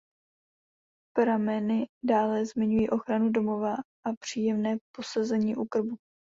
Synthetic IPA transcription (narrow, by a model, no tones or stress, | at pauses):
pɾamɛnɪdaːlɛzmɪɲujiːʔo̞xɾanudo̞mo̞vaʔapr̝̥iːjɛmnɛːpo̞sazɛɲiːʔukr̩bu